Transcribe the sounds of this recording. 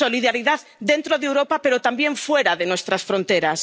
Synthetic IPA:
o̞liðaɾiðaðd̪e̞nt̪ɾoðewɾo̞pape̞ɾo̞t̪ambje̞ɱfwe̞ɾaðe̞nwe̞st̪ɾasfɾo̞nt̪e̞ɾas

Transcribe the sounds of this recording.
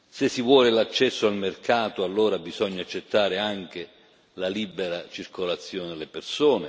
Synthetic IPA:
sɪsːivwɔːlɪlat͡ʃːɛsːoalmerkaːt̪oalːoːɾabizɔɲːaat͡ʃːet̪ːaːɾɪaŋk̟e | lalibeɾat͡ʃirkolat̪sːjoːnɪd̪elːɪpersoːne

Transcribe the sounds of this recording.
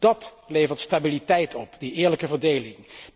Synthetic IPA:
d̥ɑt | lejvəɹtstabilitɛjtʰɔpdiʔɪːɹləkəvəɹdejlɪŋ

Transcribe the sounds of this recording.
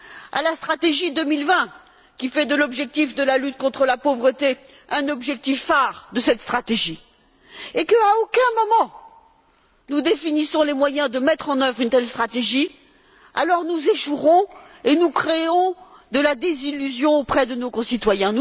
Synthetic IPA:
a̰last̪χat̪eʒid̪əmilvɛ̃ | kʲifɛd̪əlɔbʒɛk̚t̪ifd̪əlalyt̪̚kɔ̃t̪χəlapovʁət̪e | ɛ̃nɔbʒɛk̚t̪ifːaʁd̪əsɛt̪st̪χat̪eʒi | ekəaokʲɛ̃mɔmɑ̃ | nud̪efinisɔ̃lemwajɛ̃d̪əmɛt̪χɑ̃nœvʁynt̪ɛlst̪χat̪eʒi | a̰lɔʁnuzeʃuʁɔ̃ | enukχeɔ̃ | d̪əlad̪ezilyzjɔ̃opχɛd̪ənokɔ̃sit̪wajɛ̃n

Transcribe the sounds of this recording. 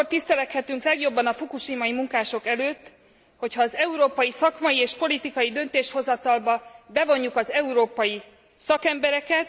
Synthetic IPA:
ort̪ist̪ɛlɛkhɛt̪yŋklɛɡjo̞bːɒnɒfukuʃimɒjimuŋkaːʃo̞kɛløːt̪ː | ho̞chɒːzɛuɾoːpɒjisɒkmɒjieːʃpo̞lit̪ikɒjid̪ø̞nt̪eːʃho̞zɒt̪ɒlbɒbɛvo̞ɲːukɒzɛuɾoːpɒji | sɒkɛmbɛɾɛkɛt̪̚

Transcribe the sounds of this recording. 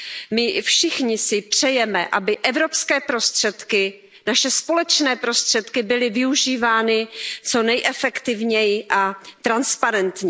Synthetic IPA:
mɪfʃɪxɲɪsɪpr̝̥ɛjɛmɛ̰ʔa̰bɪʔɛvɾo̞pskɛːpɾo̞st̪r̥ɛt̪kɪ | naʃɛspo̞lɛt͡ʃnɛːpɾo̞st̪r̝̥ɛt̪kɪbɪlɪvɪuʒiːvaːnɪt͡so̞nɛjʔɛfɛkt̪ɪvɲɛjɪʔat̪ɾanspaɾɛnt̪ɲɛ

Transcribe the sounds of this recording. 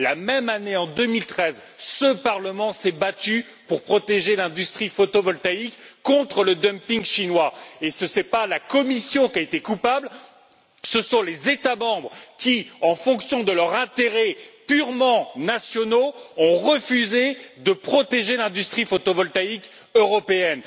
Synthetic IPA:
lamɛmaneɑ̃d̪əmilt̪χɛzsəpaʁləmɑ̃sɛbat̪y | puʁpχɔt̪eʒelɛ̃d̪yst̪χifot̪ovɔlt̪aikːɔ̃t̪χələd̪əmpiŋʃinwaesəsɛpalakɔmisjɔ̃kʲaet̪ekupabl | səsɔ̃lezet̪amɑ̃bʁkʲiɑ̃fɔ̃ksjɔ̃d̪əlœʁɛ̃t̪eʁɛpyʁmɑ̃nasjɔnoɔ̃ʁəfyzed̪əpχɔt̪eʒelɛ̃d̪yst̪χifot̪ovɔlt̪aik | øʁɔpeɛn

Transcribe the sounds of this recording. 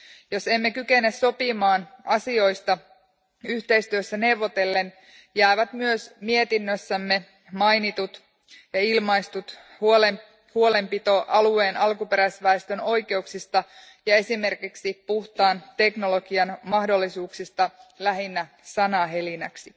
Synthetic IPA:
jo̞se̞mːe̞kyke̞nːesso̞pimɑːnɑsio̞jst̪ɑ | yht̪e̞ist̪yøsːæne̞wʋːo̞t̪e̞lːe̞n | jæːʋæt̪myøsmiet̪inːøsːæmːe̞ | mɑjnit̪ut̪ | jɑilmɑist̪ut̪ | ol | huo̞le̞mpit̪o̞ʔɑlue̞ːnɑlkupe̞ɾæsʋæest̪øno̞jke̞uksist̪ɑ | jɑe̞sime̞rkiksipuht̪ɑːnt̪e̞kno̞lo̞ɡiɑnmɑhdo̞lːisuːksist̪ɑlæɦinːæ | sɑnɑɦe̞linæksi

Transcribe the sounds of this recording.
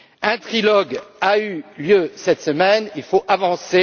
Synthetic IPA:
ɛ̃t̪χilɔɡayljøsɛt̪səmɛnilfoʔavɑ̃se

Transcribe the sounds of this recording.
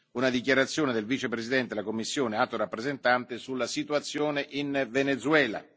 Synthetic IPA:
unad̪ik̬jaɾat̪sːjoːned̪elvit͡ʃepɾezid̪ɛnt̪elakomːisːjoːneat̪oɾapːɾezent̪ant̪ɪsulːasit̪uat̪sːjoːneʔinvenet̪suɛːla̰

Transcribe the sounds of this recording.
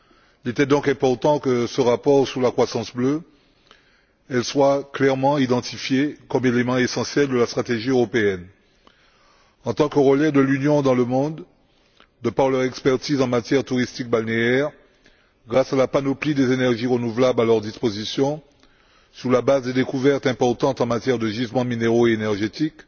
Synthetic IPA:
ilet̪ɛd̪ɔ̃kɛ̃pɔʁt̪ɑ̃kəsəʁapɔʁsyʁlakχwasɑ̃sblø | ɛlswaklɛʁmɑ̃id̪ɑ̃t̪ifjekɔmelemɑ̃esɑ̃sjɛld̪əlast̪χat̪eʒiøʁɔpeɛn | ɑ̃t̪ɑ̃kəʁəlɛd̪əlynjɔ̃d̪ɑ̃ləmɔ̃d̪ː | əpaʁlœʁɛkspɛʁt̪izɑ̃mat̪jɛʁt̪uʁist̪ik̚balneɛʁ | ɡʁasalapanoplid̪ezenɛʁʒiʁənuvlablalœʁd̪ispozisjɔ̃ | suʁlabazd̪ed̪ekuvɛʁt̪ɛ̃pɔʁt̪ɑ̃t̪ɑ̃mat̪jɛʁd̪əʒizmɑ̃mineʁoeenɛʁʒet̪ik

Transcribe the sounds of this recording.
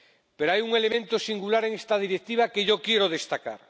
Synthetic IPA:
peɾoajuŋelemẽnt̪osiŋɡulaɾeŋest̪að̞iɾek̚t̪iβ̞akeʝokjeɾoðest̪aka̰ɾ

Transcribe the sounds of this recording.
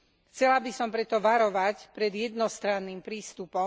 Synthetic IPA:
xt͡sɛlabisɔmpɾɛt̪ɔʋaɾɔʋacpɾɛd̪jɛd̪nɔst̪ɾanːiːmpɾiːst̪upɔ

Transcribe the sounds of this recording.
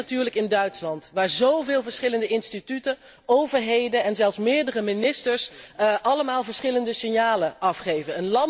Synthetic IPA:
atyːɹləkɪndœɥtslɑntʋaːɹzowvɪːlˠvəɹsχɪləndəɪnstitytə | owvəɹɦejdənɛnzɛlˠfsmɪːɹdərəmɪnɪstəɹsʔɑləmaːlˠvəɹsχɪləndəsɪnjaːlənʔɑfχejvənənlɑ

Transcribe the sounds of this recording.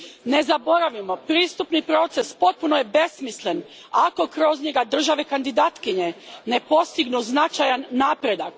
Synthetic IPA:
ne̞zabo̞ɾaʋimo̞pɾiːst̪upnipɾo̞t̪se̞spo̞t̪̚puno̞je̞be̞smisle̞n | ako̞kɾo̞zɲe̞ɡad̪r̩ʒaʋe̞kand̪id̪aːt̪kiɲe̞ne̞po̞st̪iɡnuznat͡ʃajanːaːpɾe̞d̪ak

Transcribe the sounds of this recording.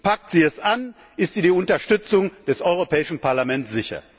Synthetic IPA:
pak̚tz̥iːɛsan | ʔɪstz̥iːdiːʊntɐʃtʏt͡sʊŋd̥ɛsɔʏʁ̞opʰɛːɪʃn̩paɐlamɛntz̥ɪçɐ̰

